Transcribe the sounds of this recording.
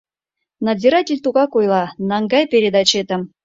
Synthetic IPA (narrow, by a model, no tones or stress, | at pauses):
nazʲiɾatʲɪlʲt̪uɣɑkujlˠɑnɑŋɡɑjpʲeɾʲed̪ɑt͡ɕet̪ə̆m